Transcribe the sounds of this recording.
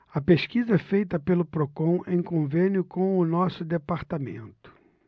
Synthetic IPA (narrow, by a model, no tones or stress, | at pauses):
ɐpeʃkizɐɛfejt̪ɐpelʊpɾokõw̃ẽj̃kõvẽnjʊkõw̃ʊnɔsʊd̪epaɾt̪amḛ̃nt̪ʊ̥